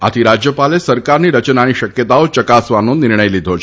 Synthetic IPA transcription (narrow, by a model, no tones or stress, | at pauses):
a̰t̪ʰiɾad͡ʒjəpalesəɾkaɾniɾət͡ʃnaniʃəkjət̪aot͡ʃəkasʋanonɪɾɳəjlid̪ʱot͡ʃʰ